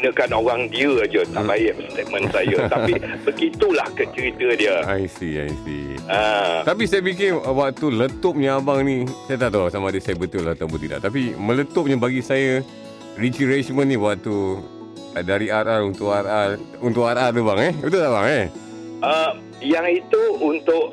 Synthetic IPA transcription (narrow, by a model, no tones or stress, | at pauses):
inəkanoɾaŋdiəad͡ʒət̪a̰baɪʔəst̪et̪̚mə̃nsajət̪aibəɡit̪ulahkət͡ʃəɾit̪ədiəajsia̰jsḭat̪apisajəbik̬ɪnəwak̚t̪ulət̪ʊp̚ɲaabaŋnisajət̪at̪awsamadəsajəbət̪ʊlaht̪abət̪ida̰ʔt̪ap̬imə̃lət̪ʊp̚ɲəbaɡisajə | rit͡ʃiɾesmənːĩwak̚t̪u | daɾiaɾarunt̪ʊʔararunt̪ʊʔarart̪ubaŋɛət̪ut̪abaŋɛ | əm | jaŋit̪uunt̪ʊʔ